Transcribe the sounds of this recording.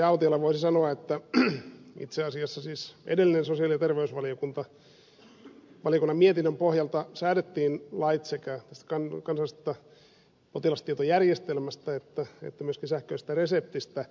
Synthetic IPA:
æɑut̪iɑlːɑʋoisisɑnoɑet̪ːæ | ḭt̪seɑsiɑsːɑsiːsʔḛdelːinensosiɑˑlijɑt̪erʋeysʋɑliokunt̪ɑ | ʋɑlijokunːɑmmiet̪inːømpohjɑlt̪ɑsæːdet̪ːiːnlɑit̪sekæt̪æst̪æ̥kɑnkɑnsɑlːˑist̪ːɑ | pot̪ilɑst̪iet̪ojærjest̪elmæst̪æet̪ːæḛt̪ːæmyøskinsæhkøist̪æresep̚t̪ist̪æ

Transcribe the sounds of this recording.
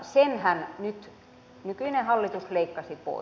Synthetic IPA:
senhænnyt̪ | nykynehɑlːit̪usleikːɑsipo̰ˑi

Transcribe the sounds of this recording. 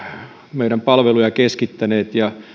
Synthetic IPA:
meiɾæmpɑlʋelujɑkeskit̪ːæneːt̪jɑ

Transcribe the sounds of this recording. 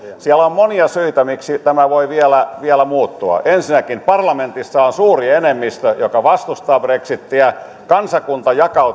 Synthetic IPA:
siælommoniɑsyit̪æmiksit̪æmæʋoiʋiælæʋiælæmuːt̪ːuɑ̰ʔensinækimpɑrlɑment̪isːɑonsuːrienemːist̪øjokɑʋɑst̪ust̪ɑːbreksit̪ːiæ | kɑnsɑkunt̪ɑjɑkɑu

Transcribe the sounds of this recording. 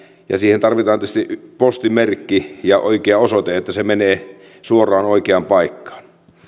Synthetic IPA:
jɑ̰siːhent̪ɑrʋit̪ɑːnyst̪ipost̪imerkːijɑʔo̰ikeɑosot̪eet̪ːæsemeneː | suorˑɑːnoikeɑmpɑikːɑ̥ːn

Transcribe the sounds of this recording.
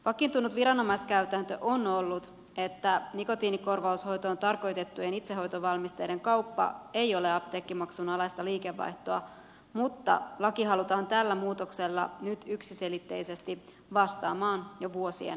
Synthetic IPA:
pɑkint̪unːut̪ʋiɾɑno̞mɑjskæɥt̪ænt̪ø̞ʔono̞lːut̪ | e̞t̪ːæniko̞t̪iːniko̞rʋɑusho̞jt̪oːnt̪ɑrko̞jt̪e̞t̪ːuenit̪seɦo̞jt̪oʋɑlmist̪e̞jde̞ŋkɑwpːɑ̰e̞jo̞le̞ɑpt̪eːkːimɑksunɑlɑjst̪ɑliːke̞ʋːɑ̰jht̪oɑ̰ | mut̪ːɑ̰lɑkiɦɑlut̪ɑːnt̪ælːæmuːt̪o̞kse̞lːɑ̰nyt̪yksise̞lit̪ːe̞̰jse̞st̪i | ʋɑst̪ɑ̰ːmɑːnjoʋuo̞sḭḛn

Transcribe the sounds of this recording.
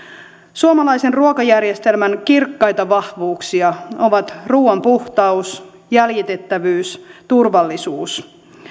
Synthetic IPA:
suomɑlɑjsenruokɑjærjest̪e̞lmænkirkːɑjt̪ɑʋɑhʋuːksiɑo̞ʋɑt̪ruːɑmpuht̪ɑus | jæljit̪e̞t̪ːæʋyːst̪urʋɑlːisuːs

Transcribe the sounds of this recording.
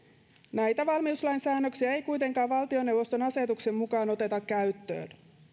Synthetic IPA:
næjt̪æʋɑlmiuslɑjnsæːnːøksiæe̞jkujt̪e̞ŋkɑːʋʋɑlt̪io̞ne̞wːo̞st̪o̞nɑse̞t̪ukse̞mmukɑːno̞t̪e̞t̪ɑkːæyt̪ːø̰ːn

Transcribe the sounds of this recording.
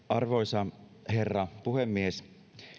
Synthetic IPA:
ɑrʋojsɑherːɑpuhemːies

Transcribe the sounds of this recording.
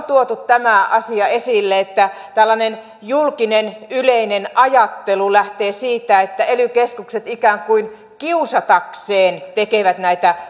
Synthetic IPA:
t̪uot̪ut̪t̪æmæʔɑsiɑesilːeet̪ːæ | t̪ælːɑnen | julkinenyleinenʔɑjɑt̪ːelulæht̪eːsiːt̪æet̪ːæelykeskukset̪ikæːŋkuin | kiusɑt̪ɑkseːnt̪ekeʋæt̪næit̪æ

